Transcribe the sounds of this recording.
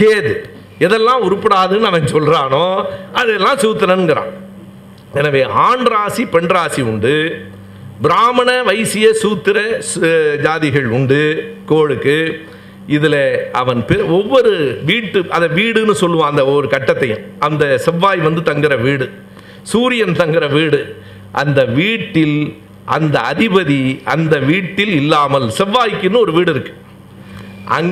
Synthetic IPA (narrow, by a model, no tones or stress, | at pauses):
seːðɯ | ɛðɛlːãːʊɾʊpːɐɽaːðɯnːɯɐʋɐŋɡɯsɔlɾaːnõːɐðɯɛlːãːsuːt̪ːɪɾɐnɯŋɡɪɾã̰ː | ɛnɐʋeːʔaːɳɖɾaːsipɛɳɖɾaːsiʊɳɖɯ | bɪɾaːmɐnɐʋɐɪsɪjɐsuːt̪ːɪɾɐsd͡ʒaːðɪɣɐɭʊɳɖɯkoːɻɯkːɯ | ɪðɪlɐɐʋɐnpɪɔʋːɔɾɯʋiːʈːɯʔɐðɐʋiːɽɯnːɯsɔlːɯʋãːɐnd̪ɐɔʋːɔɾɯkɐʈːɐt̪ːɐjʊ̰̃m | ɐnd̪ɐsɛʋːaːjʋɐnd̪ɯt̪ɐŋɡɪɾɐʋiːɽɯ | suːɾɪjɐnt̪ɐŋɡɪɾɐʋiːɽɯ | ʔɐnd̪ɐʋiːʈːɪl | ʔɐnd̪ɐɐðɪbɐðiɐnd̪ɐʋiːʈːɪlɪlːaːmɐlsɛʋːaːjkːɪnːɯɔɾɯʋiːɽɪɾɯkːɯ̥ | ʔɐ̰ŋ